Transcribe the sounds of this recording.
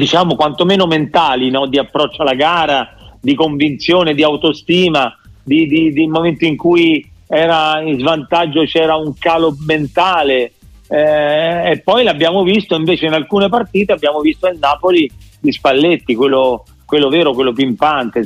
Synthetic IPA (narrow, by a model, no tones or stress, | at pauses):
d̪it͡ʃaːmokwant̪omeːnoment̪aːlinɔd̪iapːɾɔt͡ʃːoalaɡaːɾad̪ikoɱvint̪sjoːned̪iawt̪ost̪iːmad̪id̪id̪elmoment̪oiŋkujɛːɾaizvant̪ad͡ʒːot͡ʃɛːɾauŋkaːloment̪aːle | pːɔjlabːjaːmovist̪oiɱveːt͡ʃeinalkuːnepart̪iːt̪eabːjaːmovist̪oelnaːpolilispalːet̪ːikwelːo | kwelːovɛːɾokwelːopimpant̪e